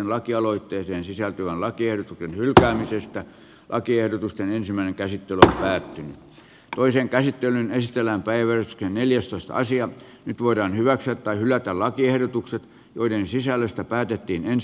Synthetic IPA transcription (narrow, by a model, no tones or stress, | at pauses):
enlɑkiɑloit̪ːeːseːnsisælt̪yʋænlɑkiehdot̪uksenhylkæːmisest̪æ | lʔɑkiehdot̪ust̪enensimːˑæˑĭneŋkæsit̪ːelyompæːt̪ːyny | t̪oiseŋkæsit̪ːelynesit̪elæmpæiʋʋærsy̥ksenneljæst̪oist̪ɑ̰ɑ̰siɑ | nyt̪ʋoiɾɑːnhyʋæksyæt̪t̪ɑihylˑæt̪ællɑkiehdot̪ukset̪ | joidensisælːˑøst̪æpæːt̪et̪ːiːnen